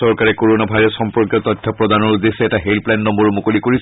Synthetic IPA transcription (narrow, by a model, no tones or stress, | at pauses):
sɔɹkaɹɛkɔɹonabʱajɹɔsxɔmpɔɹkjɔt̪ɔt̪ʰːjɔpɹɔd̪anɔɹud̪esɛɛtaɦelplannɔmbɔɹmokolikoɹis